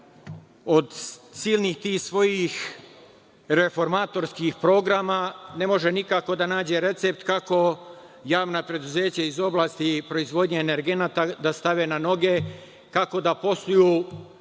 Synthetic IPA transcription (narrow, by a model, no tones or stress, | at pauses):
o̞d̪siːlnixt̪iːsʋo̞jix | ɾe̞fo̞ɾmaːt̪o̞ɾskixpɾo̞ɡɾamane̞mo̞ʒe̞nikako̞d̪anaːd͡ʑe̞ɾe̞t̪se̞pt̪kako̞ | jaːʋnapɾe̞d̪uze̞ːt͡ɕaizo̞blˠaːst̪ipɾo̞izʋo̞d̪ɲeːne̞ɾɡe̞naːt̪ad̪ast̪aʋe̞ːnano̞ɡe̞ | kako̞d̪apo̞st̪ujuː